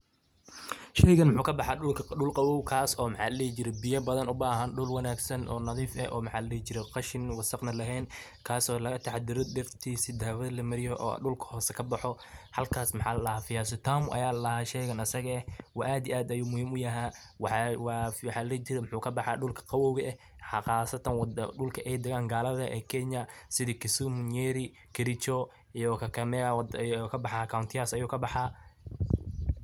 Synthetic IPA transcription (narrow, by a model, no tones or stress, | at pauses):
ʃɛjɣɐnmʊħuːkʰɐbɑħaːɖʊlkʰɐɖʊlqɑwɔwkʰaːsɔːmɑħaːllɛht͡ʃɪɾɛbɪjɐbɐðɐnʊbaːɦɐnɖʊlwɑnaːɡsɐnʔɔ̰ːnɐðiːfɛ̰ʔɔ̰ːmɑħaːllɛht͡ʃɪɾɛqɑʃɪnwɑsɑqnɐlɐɦɛːn | kʰaːsɔːlɐɣɐt̪ʰɑħd̪ɪɾɔd̪ɛrt̪ʰiːsɪd̪aːwɐðɐlɐmɐɾɪjɔʔɔ̰ːɖʊlkʰɐ̥hɔːsɛkʰɐbɑħɔ | hɐlkʰaːsmɑħa̰ːlɐlɐhaːfɪjaːs̬ɪt̪ʰaːmʔɐ̰jaːlɐlɐɦaːʃɛjɣɐnɐsɐɣɐɛhwɑʔaːd̪iaːd̪ɐjuːmʊhiːmʊjɐɦaː | wwwɑħaːlɐt͡ʃɪɾɛmħuːkʰɐbɑħaːɖʊlkʰɐ̥qɑwɔwɣɐʔɛ | ħɑqɑːsɐt̪ʰɐnwd̪ɖʊlkʰɐʔɛjd̪ɛɣaːŋɡaːlɐðɐʔɛ̰ːkʰɛɲɐsɪðikɪsʊmʊnjɛːɾɪ | kʰɪɾɪt͡ʃɔ | ijɔkʰɐkʰɐmɛkʰɐbɑħakʰawnt̪ʰɪjaːsɐjuːkʰɐbɑħaː